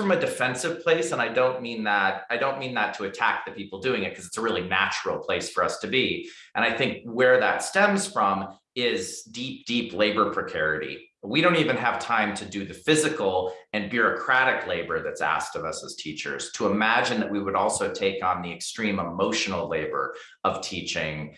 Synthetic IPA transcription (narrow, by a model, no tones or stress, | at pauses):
fɹʌ̃mɨdɨfɛ̃nsɨv̥pʰl̥eɪsə̃ñaɪdõʊ̃nmĩnðəɾaɪdõʊ̃nmĩnðɨtʰəɨtʰæk̚ðɨpʰipl̩ˠdʉɪ̃ŋɨt̚kʰʌzɨtsəɹɪlˠinæt͡ʃɹl̩ˠpʰl̥eɪsfə˞ʌstʰɨbi | ʔɨ̰̃ɾ̃aɪθɪ̃ŋk̚wə˞ðɨ̰tstɛ̃mz̥fɹʌ̃m | ɪzdip̚d̥ipleɪbə˞pʰɹ̥ɨkʰɛɹɨɾḭ | wiɾõʊ̃ntivɨ̃nɨv̥tʰãɪ̃mtʰɨdɨðɨfɪzɨkl̩ˠɨ̃nbjʊɹɨkʰɹ̥æɾɨkleɪbə˞ðɨtsæ̰stʌvʌsəz̥tʰit͡ʃə̰˞z̥tʰəəmæd͡ʒɨ̃nðɨʔ̚wiwəɾɔlˠsoʊtʰeɪkn̩ðiɨkstɹ̥ĩməmoʊʃn̩l̩ˠleɪbə̰˞ | ʌv̥tʰit͡ʃɪ̃ŋ